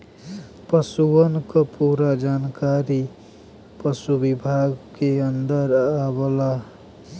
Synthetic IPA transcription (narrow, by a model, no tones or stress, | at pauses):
pʌsuwʌnkʌpuɾad͡ʒankaɾi | pʌsubibʱaɡkeʌnd̪ʌɾabəla